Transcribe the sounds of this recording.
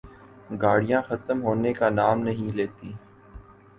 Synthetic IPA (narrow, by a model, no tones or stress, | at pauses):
ɡaːɽijãːxət̪əmɦoːnekanaːmnɐɦĩleːt̪iː